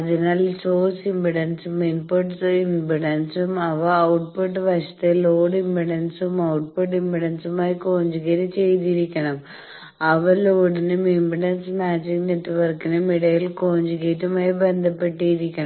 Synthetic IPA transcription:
ɐðinaːlsoːsimbiɽɐnsuminpuʈsimbiɽɐnsumɐʋɐɐwʈ̚puʈːʋɐɕɐ̥t̪ːeloːɖimbiɽɐnsumɐwʈ̚puʈːimbiɽɐnsumaːjikoːɲd͡ʑuɣɐɾit͡ɕe̞jt̪̬iɾikʲːɐɳɐm | ɐʋɐloːɽinumimbiɽɐnsmaːd͡ʑiŋneʈːʋɐrkinɨmiɽɐjilkoːɲd͡ʑukeːtːumaːjibend̪ʱɐpːeʈːijiɾikʲːɐɳɐ

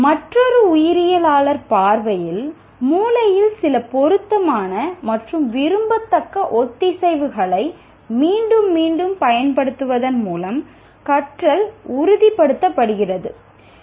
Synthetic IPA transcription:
mɐʈrɔɾɯʊjɪɾɪjɐlaːlɐɾpaːɾʋɐjɪl | muːlɐjɪlsɪlɐpɔɾɯt̪ːɐmaːnɐmɐʈrɯmʋɪɾɯmbɐt̪ːɐkːɐʔɔt̪ːɪsɛɪʋɯɣɐɭɐɪ | miːɳɖɯmːiːɳɖɯmpɐjɐnpɐɽɯt̪ːɯʋɐðɐnmuːlɐm | kɐʈrɐlʊɾʊðɪpːɐɽɯt̪ːɐpːɐɽɯɣɪrɐðɯ

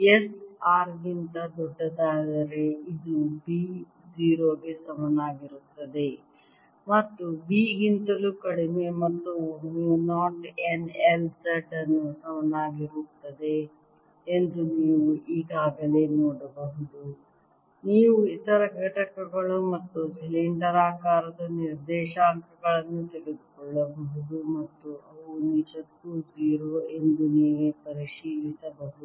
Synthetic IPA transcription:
esaːɾɡint̪ɐd̪ɔɖːɐd̪aːd̪ɐɾe̞id̪ubi | d͡ʒiːɾoːɡesɐmɐnaːɡiɾut̪ːɐd̪e̞ | mɐt̪ːubiːɡint̪ɐlukɐɽime̞mɐt̪ːuniːʋunaːɾʈenelsɐʈɐnːusɐmɐnaːɡiɾut̪ːɐd̪e̞ː | nd̪uniːʋuʔiːɡaːɡɐle̞ːnoːɽɐbɐɦud̪u | niːʋuit̪ɐɾɐɡɛʈɐkːɐɡɐɭumɐt̪ːusiliɳɖɐɾaːkaːɾɐd̪ɐniɾd̪ɛːʃaːnt̪ɾɐɡɐɭɐnːut̪eɡed̪ukɔɭːɐbɐɦud̪umɐt̪ːuʔɐʋunid͡ʒɐt̪ːud͡ʒiːɾoːe̞nd̪uniːʋepɐɾiʃiːʋit̪ɐbɐɦud̪u

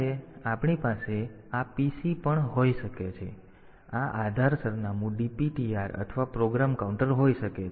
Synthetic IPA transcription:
eapɳipase | apisipəɳɦoiʃəket͡ʃʰe | aʔad̪ʱaɾsəɾnamũɖipiʈiaɾə̰t̪ʰəʋapɾoɡɾamkauɳʈəɾɦoiʃəke

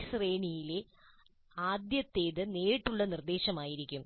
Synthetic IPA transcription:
sreːɳijile | aːd̪jɐt̪ːe̞ːðɨneːʈːuɭːɐnird̪e̞ːɕɐmaːjiɾikʲːum

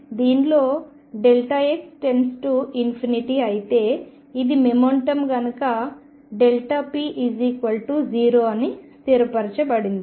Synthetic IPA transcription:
d̪iːnlo̞ː | ɖelʈɐeksʈe̞nsʈuinpʰiniʈiːɐjit̪e̞ː | id̪imemoɳʈɐmɡɐnɐkɐ | ɖelʈapiːʔid͡ʒikʋɐlʈud͡ʒiːɾoːɐnist̪iɾɐpɐɾɐt͡ʃɐbɐɽind̪i

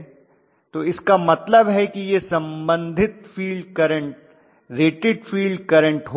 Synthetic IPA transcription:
t̪oɪskamɐt̪ləbɦɛkijesɐ̃mbə̃nd̪ʱɪt̪fiːlɖkɐɾə̃ɳʈ̚ | ɾeːʈɪɖfiːlɖkɐɾə̃ɳʈɦo

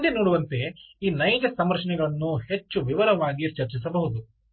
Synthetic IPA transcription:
d̪enoːɽuʋɐnt̪e̞iːnɐjd͡ʒɐsɐmɐɾɐʂɐɳɛɡɐɭɐnːuhet͡ʃːuʋiʋɐɾɐʋaːɡit͡ʃɐɾt͡ʃis̬ɐbɐɦud̪u

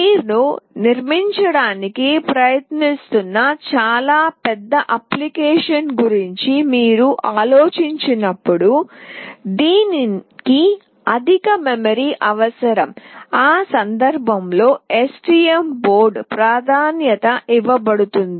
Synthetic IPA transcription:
iːɾnuniɾmiɲt͡ʃɐɽaːnikipɾɐjɐt̪nist̪unːɐt͡ʃaːlaːpɛd̪ːɐʔɐplikɛːʂɐnɡuɾiɲt͡ʃimiːɾuʔaːlo̞ːt͡ʃiɲt͡ʃinɐpːuɽu | d̪iːniki | ɐd̪ʱikɐmemɐɾiːʔɐʋɐsɐɾɐmaːsɐnd̪ɐɾbʱɐmlo̞ːesʈiembo̞ːɾɖpɾaːd̪ʱaːnjɐt̪ɐʔiʋɐbɐɽut̪und̪i

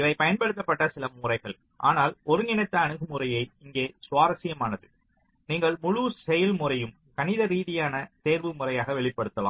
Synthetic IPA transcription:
ɪʋɐɪpɐjɐnpɐɽɯt̪̬ːɐpːɐʈːɐsɪlɐmʊrɐɪɣɐɭ | ʔa̰ːnaːlɔɾɯŋɪnɐt̪ːɐːɳɯɣɯmʊrɐjɐɪɪŋɡeːsʊʋaːɾɐsɪjɐmaːnɐðɯ | niːŋɡɐɭmʊɻuːsɛjɐlmʊrɐjɯm | kɐnɪðɐɾiːðɪjaːnɐt̪eːɾʋɯmʊrɐjaːɣɐʋɛɭɪpːɐɽɯt̪ːɐla̰ːm

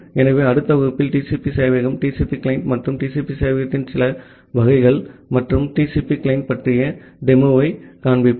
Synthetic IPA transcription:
ɛnɐʋeːɐɽɯt̪ːɐʋɐɣɯpːɪlʈiːsipisɐːʋɐɣɐmʈiːsipiklɐɪnmɐʈrɯmʈiːsipisɐːjʋɐɣɐt̪ːɪnsɪlɐ | ʋɐɣɐɪɣɐɭmɐʈrɯmʈiːsipiklɐɪn̚pɐʈrɪjɐ | ɖɛmɯʋɐɪkaːɳbɪpː

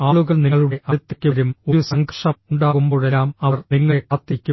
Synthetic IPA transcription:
aːɭuɣɐɭniŋːɐɭuɽe̞ʔɐt̪ːikʲːuʋɐɾumojsɐŋɡrʂɐuɳɖaːɣumbo̞ːɭelːaːmɐɐrniŋːɐɭepɐt̪ːikʲːu

